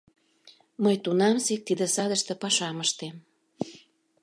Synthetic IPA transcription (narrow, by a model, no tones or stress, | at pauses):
məjt̪unɑmsek̚t̪id̪ə̆sɑd̪əʃt̪ə̆pɑʃɑməʃt̪em